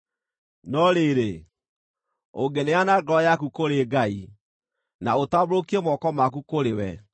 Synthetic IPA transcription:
nɔɾeɾe | oɡɛneanaɡɔjakukoɾeɡai | naotaβɾokiemɔkɔmakukoɾewɛ̰

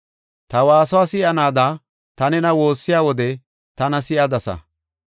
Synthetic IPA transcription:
t̪ɐwaːsɔwaːsɪʔɐnaːd̪a | t̪ɐnɛnɐwo̞ːsːɪjaːwɔd̪ɛ | t̪ɐnɐsɪʔɐd̪ɐsɐ̰

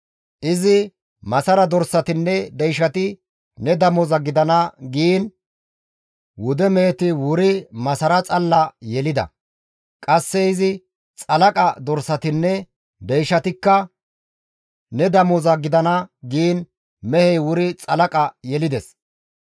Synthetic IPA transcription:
ʔɪzɪ | mɐsɐɾɐd̪ɔɾsɐt̪ɪnːɛd̪ɛjʃɐt̪ɪ | nɛd̪ɐmɔzɐɡɪd̪ɐnɐɡiːn | wʊd̪ɛmɛːt̪ɪwʊɾɪmɐsɐɾɐt͡sʼɐlːɐjɛlɪd̪ɐ̰ | kʼɐsːɛɪzɪ | t͡sʼɐlɐkʼɐd̪ɔɾsɐt̪ɪnːɛ | d̪ɛjʃɐt̪ɪkːɐ | nɛd̪ɐmɔzɐɡɪd̪ɐnɐɡiːn | mɛhɛjwʊɾɪt͡sʼɐlɐkʼɐjɛlɪd̪ɛs

